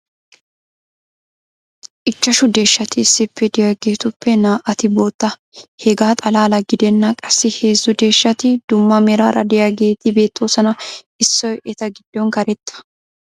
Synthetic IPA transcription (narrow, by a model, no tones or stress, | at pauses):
ʔɪt͡ʃːɐʃʊd̪e̞ːʃːɐt̪ɪːsːɪpːɛd̪ɪjaɡeːt̪ʊpːɛnaːʔɐt̪ɪboːt̪ːɐ | hɛɡaːt̪ʼɐlaːlɐɡɪd̪ɛnːakʼɐsːɪheːzːʊd̪e̞ːʃːɐt̪ɪd̪̥ʊmːɐmɛɾaːɾɐd̪ɪjaːɡe̞ːt̪ɪbe̞ːt̪ːoːsɐnɐʔɪsːɔjʔɛt̪ɐɡɪd̪ːoːŋkɐɾɛt̪ːɐ̥